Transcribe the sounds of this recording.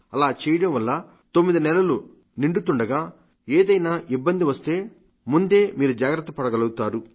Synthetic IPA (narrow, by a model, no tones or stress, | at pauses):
ɐlaːt͡ʃɛːjɐɽɐmʋɐlːɐ | t̪omːid̪inɛlɐlu | niɳɖut̪uɳɖɐɡaː | eːd̪ɐjnaːʔibːɐnd̪iʋɐst̪e̞ː | mund̪e̞ːmiːɾud͡ʒaːɡɾɐt̪ːɐpɐɽɐɡɐlɐɡut̪aːɾu